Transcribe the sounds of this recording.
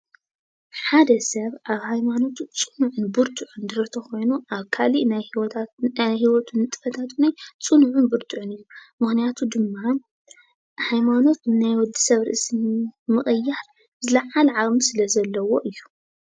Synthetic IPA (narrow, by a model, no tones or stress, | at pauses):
ħad̪ɐsɐβʔaβhajmano̞t̪ʰut͡sʼɨnuʕʊnbɨɾt̪ʼuʕund̪ɨɾɐt̪ʰɐxo̞jnuʔaβkʰaliʔnaj̪ | ajɦiwɔt̪ʰunɨt̪ʼɨ̥fɐt̪ʰat̪najt͡sʼɨnuʕunbɨɾt̪ʼuʕunɨjːumɨxnijat̪ʰud̪ɨmːa | hajmano̞t̪najwɔd̪ːi̥sɐβɾɨ̰ʔɨsmmɨχʼɨjːal | bzɨlɐʕalʕamisɨlɐzɐlːɐwo̞ʔɨjːu̥